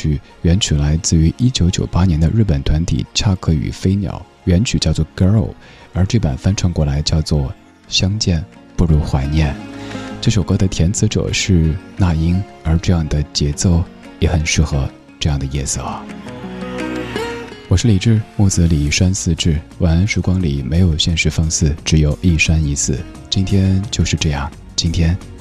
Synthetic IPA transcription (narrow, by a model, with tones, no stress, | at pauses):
y˨˩ | ɥɛ˧˥nt͡ɕʰy˨˩la˧˥ɪt͡sɹ̩˥˩y˧˥ʔi˥t͡ɕjo˧˥ʊt͡ɕjo˨˩ʊpa˥njɛ˧˥nd̪ə˧ɻ̩˥˩pə˨˩nt̪ʰwa˧˥nt̪ʰḭ˨˩ʈ͡ʂʰa˥˧kʰɤ˥˩y̰˨˩fe˥ɪnjɑ̰˨˩˦ʊ | ɥɛ˧˥nt͡ɕʰy˨˩t͡ɕjɑ˥˧ʊt͡swɔ˥˩kə˧˥o̰˨˩ʊ | ə˞˧˥ʈ͡ʂe˥˩pə̰˨˩nfa˥nʈ͡ʂʰɤ˧˥ŋkwɔ˧˥˩la˧˥ɪt͡ɕjɑ˥˧ʊt͡swɔ˥˩ | ɕjɑ˥ŋt͡ɕjɛ˥˩npu˥˩ɻu˧˥xwa˧˥ɪnjɛ˥˩nʈ͡ʂʂo˨˩ʊkɤ˥d̪ə˨t̪ʰjɛ˧˥nt͡sʰɹ̩˧˥ʈ͡ʂɤ̰˨˩ʂɻ̩˥˧na˥˩i˥ŋ | ə˞˧˥ʈ͡ʂɤ˥˧jɑ˥˩ŋd̪ə˩t͡ɕjɛ˧˥t͡so˥˩ʊ | jɛ˧˥xə˨˩nʂɻ̩˥˩xɤ˧˥ | ʈ͡ʂɤ˥˧jɑ˥˩ŋd̪ə˩jɛ˥˩sɤ˥˩ɐ̰˩ | wɔ˨˩ʂɻ̩˥˩li˨˩ʈ͡ʂɻ̩˥˧mu˥˩t͡sɹ̩˧˥li˨˩ʂwa˥nsɹ̩˥˧ʈ͡ʂɻ̩˥˩wa˨˥n˧˥nʂɻ̩˧˥kwɑ˥ŋli˨˩me˧˥ɪjo˨˩ʊɕjɛ˥˧nʂɻ̩˥˩fɑ˥˧ŋsɹ̩˥˩ʈ͡ʂɻ̩˧˥jo˨˩ʊʔi˥˩ʂa˥ni˧˥t͡sʰɹ̩˥˩˦ | t͡ɕi˥nt̪ʰjɛ˥nt͡ɕjo˥˧ʊʂɻ̩˥˧ʈ͡ʂɤ˥˧jɑ˥˩ŋ | t͡ɕi˥nt̪ʰjɛ˥n